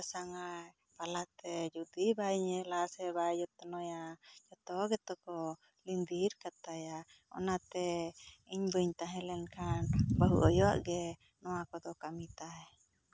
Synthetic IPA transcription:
saŋaj | palat̪ɛd͡ʒud̪ibaiɲɛlasɛbad͡ʒɔt̪ɔnɔjad͡ʒɔt̪ɔɡɛt̪ɔkɔ | lind̪iɾkat̪aja | ɔ̰nat̪ɛiɲbəɲt̪aɦɛ̃lɛnkʰanbaɦṵʔɔjɔa̰ʔɡɛ | nɔwakɔd̪ɔkamit̪ajɛ

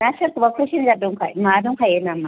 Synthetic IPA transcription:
naʃɐkubakʷoʃineadʊŋkamadʊŋkajenama

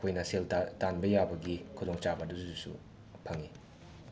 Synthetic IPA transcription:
kʰojnɐselttanbɐjabɐɡikʰudoŋt͡ʃabɐduddusṵ | pʰɐŋi

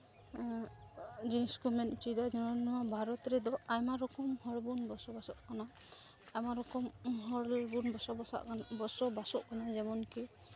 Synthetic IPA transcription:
d͡ʒinskumɛntid̪ɔnɔɹɔnnɔabʱaɾɔt̪ɾɛd̪ɔajmaɾɔkɔmhɔɹbunbɔsɔbasɔʔkana | ajmaɾɔkɔmɦɔɹlbunbɔsɔbɔsa̰ʔkbɔsɔbasɔʔkanazɛbɔnki

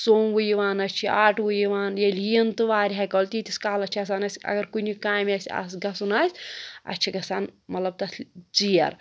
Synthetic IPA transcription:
soːmʋujiʋaːnɐt͡ʃʰiaːʈʋujiʋaːnjelint̪ɨʋaːɾʲiɦɐkoːlʲt̪it̪iskaːlɐt͡ʃʰɐs̬aːnɐsʲɐ̰ɡɐɾkunikaːmɐsʲa̰s̬ɡɐsunaːsʲɐ̰t͡ʃʰiɡɐsaːnmɐt̪lɐb̚t̪ɐt̪ʰt͡sijɐ̰ɾ

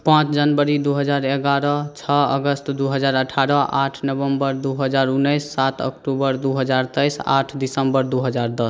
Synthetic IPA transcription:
pãt͡ʃd͡ʒənbəɾid̪uɦəd͡ʒaɾeɡaɾɔt͡ʃʰɔə̰ɡəst̪d̪uɦəd͡ʒaɾəʈʰaɾɔʔaʈʰnəbəmbəɾd̪uɦəd͡ʒaɾunːəjsːat̪ʰə̰kʈubəɾd̪uɦəd͡ʒaɾt̪əjsa̰ʈʰd̪isəmbəɾd̪uɦəd͡ʒaɾd̪əs

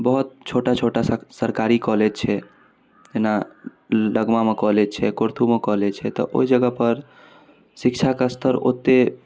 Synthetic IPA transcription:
bəɦʊt̪̚t͡ʃʰoʈat͡ʃʰoʈasəɾkaɾikɔled͡ʒt͡ʃʰɛ | d͡ʒena | ləɡmamekɔɦlet͡ʃʰɛkoɾt̪ʰumekɔɦlet͡ʃʰɛt̪ɔ̰ʔo̰id͡ʒəɡəpəɾ | sɪkt͡ʃʰakast̪ʰəɾo̰t̪ːe

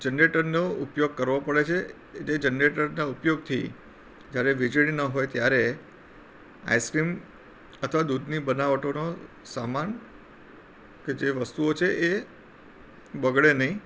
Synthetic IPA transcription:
d͡ʒənɾeʈəɾnoupjoɡ̚kəɾʋopəɭet͡ʃʰe | d͡ʒed͡ʒənɾeʈəɾnaupjoɡ̚t̪ʰḭ | d͡ʒjaɾeʋid͡ʒɭinəɦojt̪jaɾe | a̰jskɾim | ət̪ʰəʋad̪ud̪ʱnibənaʋəʈono | saman | ked͡ʒeʋəst̪uot͡ʃʰeʔe | bəɡɭenəɦĩ

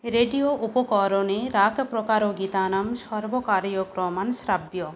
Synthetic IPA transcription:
ɾeɖioʔupɔkɔɾoneɾakpɾɔkaɾoɡit̪anamsɔɾbɔkaɾjɔkɾɔmansɾabjɔ

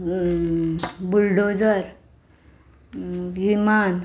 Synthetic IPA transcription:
bulɖod͡zəɾ | ʋiman

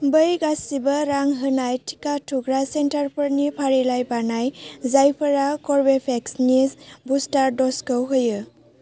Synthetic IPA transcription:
bɯjɡasibɐɾaŋɦɯnajtʰi̥katʰuɡɾasentaɾpəɾnipʰaɾilajbanajzajpʰəɾakɔɾbepʰeksnisbustaɾdɔskɔwɦɯjɯ

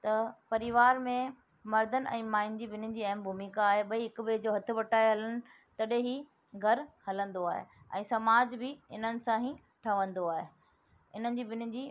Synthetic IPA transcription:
t̪ɐpɐɾɪʋaːɾmẽ | mɐɾd̪ʱənɪ̆ʔɛ̰̃ːmaːɪnd͡ʑibɪnɪ̆d͡ʑiːɐɦmbʱumiːkaːɦeɓɐiɦɪkbeːd͡ʑoːɦɐt̪ʰɪ̆ʋɐʈaːeɦɐlənɪ̆ | t̪ɐɗɦẽɦi | ɡʱɐɾhɐlə̃nd̪oaːɦḛ | ɛ̰̃ːsɐmaːd͡ʑbɪɪn̤ənɪ̆sãɦĩ | ʈʰɐʋə̃nd̪oaːɦe | ɪn̤ənɪ̆d͡ʑiːbɪnɪ̆d͡ʑiː

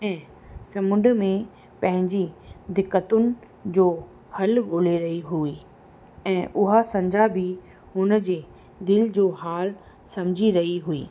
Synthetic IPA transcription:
ɛ̃ː | sɐmʊ̃ɳɖəmẽ | pɐ̃ɦɪ̃ɲd͡ʑid̪ɪkːət̪ʊnɪ̆ | d͡ʑoː | hɐlɡoːleɾɐɦiɦuiː | ɛ̃ːʔʊɦasɐ̃ɲd͡ʑʱabʱi | ɦʊnəd͡ʑeː | d̪ɪld͡ʑoːɦaːl | sɐmd͡ʑʱiɾɐɦiɦuḭː

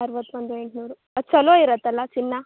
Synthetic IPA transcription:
ɐɾʋɐt̪ːʋɐnd̪ueɳʈnuːɾu | ɐd̪sɐloːiɾɐt̪ːɐlːɐt͡ʃinːɐ

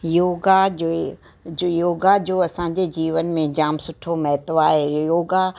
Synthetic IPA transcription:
joːɡad͡ʑo | joːɡad͡ʑoːɐsãɲ̆d͡ʑed͡ʑiːʋənmẽd͡ʑaːmsʊʈʰomɐɦɪt̪oaːɦejoːɡa

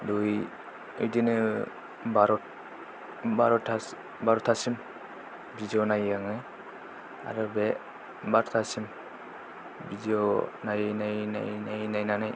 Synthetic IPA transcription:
duj | ɯjdinɯ | baɾɔt̚ | baɾɔtʰa | baɾɔtʰasim | bidiɔnajaŋɯ | a̰ɾɔbɛ | baɾɔtʰasim | bidiɔnajnajna̰jnajnajnanaj

